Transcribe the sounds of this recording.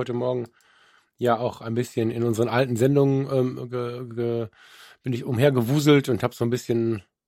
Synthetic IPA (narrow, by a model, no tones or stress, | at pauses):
ɔʏtəmɔɐɡŋ̩ | jaːaʊxʔaɪnbɪsçənɪ̰nʊnzəʁənʔaltn̩zɛndʊŋənʔɛːmɡəɡə | b̥ɪnɪçʊmheːɐɡəvuːzl̩tʊnthaːbəz̥oːnbɪsçən